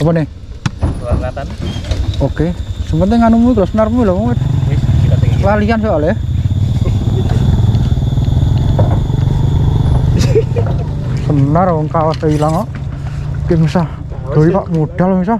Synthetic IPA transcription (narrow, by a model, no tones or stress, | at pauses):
ɔpɔne | okesəmənt̪eŋanumuiklɔsənarmuilɔmɔŋe | klaliansɔʔalɛ | sənaɾŋkawasailaŋɔʔ | kemisa | ɡ̥o̤ipaʔmuɖ̥alɔmisa